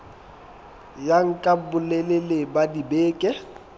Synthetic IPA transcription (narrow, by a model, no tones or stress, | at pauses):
jaŋ̩kʼabʊlɛlelebadibeːkʼɛ